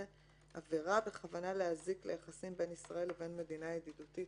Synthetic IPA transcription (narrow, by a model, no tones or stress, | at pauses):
aveʁabe̞χavanaleaziklejaχasimbe̞nisʁae̞leve̞nme̞d̪inajed̪idutit